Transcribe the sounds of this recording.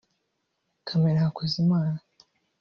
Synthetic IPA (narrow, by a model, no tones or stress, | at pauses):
kʰameɾahakozimaːna